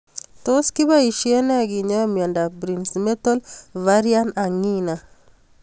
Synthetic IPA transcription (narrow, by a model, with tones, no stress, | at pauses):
toski˦ba˦i˨ʃie˦nɛ˦a˨ɡi˨ɲa˦mjɔ˨nda˨bɾi˨nsme˦to˦lva˦ɾia˦na˨ŋi˦na˨